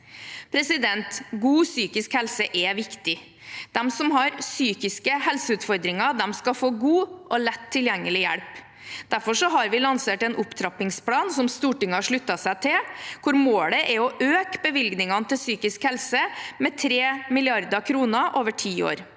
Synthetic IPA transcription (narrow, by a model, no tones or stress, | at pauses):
pʰɾɛsɪd̪ɛnt̪ɡuːsyːkɪskhɛlsəʔɛʋɪkt̪ɪ | d̪̥ɛmsɔmɦɑɾsyːkɪskəhɛlsəʉːt̪fɔɾd̪ɾɪŋɑd̪ɛmskɑfoːɡuːʔɔlɛt̪ʰːɪljɛŋːəlɪjæɽp | d̪̥æɾfɔʂɔɦɑɾʋɪlɑnseːʈɛnʔʊpt̪ʰɾɑpɪŋsplɑːnsɔmst̪uːʈɪŋːəhɑʂɭʉt̪ːɑsæɪt̪ʰɪlkʰʊɾmoːɽəʔɛɔʔøːkbəʋɪlɡnɪŋɑnət̪ɪlsyːkɪskhɛlsəmɛt̪ʰɾeːmɪlɪɑɾd̪əkʰɾuːnəʔoːʋəʈʰiːo̰ːɾ